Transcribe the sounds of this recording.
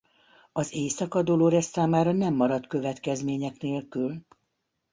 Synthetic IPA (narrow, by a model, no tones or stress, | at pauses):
ɒzeːsɒkɒd̪oloːɾɛsːaːmaːɾɒnɛmːɒɾɒt̪kø̞vɛt̪kɛzmeːɲɛkneːlkyl